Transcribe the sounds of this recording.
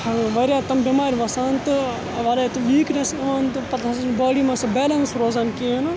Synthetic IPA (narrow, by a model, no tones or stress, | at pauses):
hɐʋɐɾʲaːt̪ɐmbemaːɾʲʋɐsant̪ɨ | ɐʋaːlɐt̪ɨʋiːknesɐnt̪ɨpɐt̪ɐsɐnbaːɽimɐsɐbeːlɐnsɾoːzɐnkin